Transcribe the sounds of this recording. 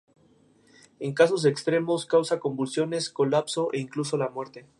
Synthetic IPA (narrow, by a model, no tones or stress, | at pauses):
e̞ŋkaso̞z̬ekst̪ɾe̞mo̞skawsako̞mbulsjo̞ne̞sko̞lapso̞ʔeiŋkluso̞lamwe̞ɾt̪e̞